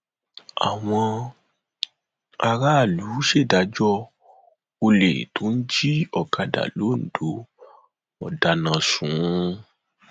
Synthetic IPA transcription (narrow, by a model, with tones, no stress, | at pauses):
a̰˨w̃ɔ̃˧ | a˧ɾa˦˨lu˨˦ʃe˦˨da˨˦d͡ʒɔ˦ | o˧lḛ˨to˨˦n̩˦d͡ʒi˦ɔ˦˨ka˧da̰˨lo˨˦n̩˨d̥o˨˦ | ɔ˨da˨nã˨sũ˨˦